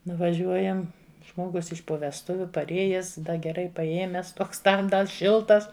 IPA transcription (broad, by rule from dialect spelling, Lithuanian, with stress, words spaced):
nʊʋɐˈʒʲuɔjɛm ˈʒmoːɡʊs ɪʃ poː ʋʲɛsˈtʊʋʲʊ pɐrʲˈeːjɛs ˈdɐ ɡʲɛˈrɐɪ pɐˈeːmʲɛs ˈtoːks ˈtɐm ˈdɐr ˈʃʲɪlˠtɐs